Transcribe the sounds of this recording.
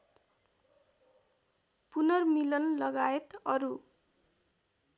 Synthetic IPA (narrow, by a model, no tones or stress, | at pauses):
punʌrmilʌnlʌɡaet̪ʌɾu